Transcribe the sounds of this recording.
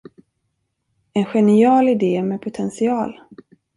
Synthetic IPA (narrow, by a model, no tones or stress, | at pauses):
ɛnɧɛnɪɑːlɪd̪eːmɛpʰʊt̪ʰɛnsɪɑːl